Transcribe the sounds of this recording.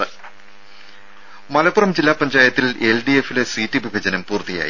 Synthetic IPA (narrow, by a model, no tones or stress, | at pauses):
mɐlɐpːurɐmd͡ʑilːaːpɐɲd͡ʑaːjɐt̪ːilelɖiefilesitːibibʱɐd͡ʑɐnɐmpuːrt̪ija̰ːjḭ